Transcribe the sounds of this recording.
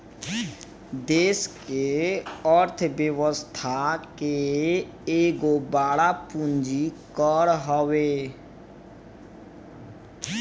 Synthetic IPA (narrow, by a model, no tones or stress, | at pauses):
d̪eːskeəɾt̪ʰbjəwəst̪ʰake | eːɡobaːɽapund͡ʒikəɾɦɔwe